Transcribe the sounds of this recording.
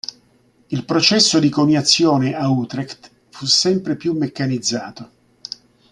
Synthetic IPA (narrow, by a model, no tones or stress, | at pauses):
ilpɾot͡ʃɛsːod̪ikonjat̪sːjɔːneʔaut̪ɾɛkt̪ | fusːɛmpɾepjumːekːanid̪zːaːt̪o